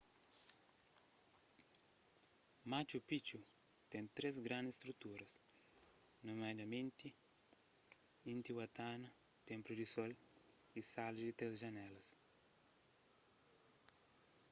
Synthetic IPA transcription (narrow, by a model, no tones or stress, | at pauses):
mat͡ʃupit͡ʃu | t̪ɛ̃nt̪ɾezɡɾãnd̪ist̪ɾut̪uɾɐs | nomad̪ɐmẽnt̪i | ĩnt̪iwat̪anɐ | t̪ẽmpɾud̪isol | isalidit̪ɾezʒɐnɛlɐs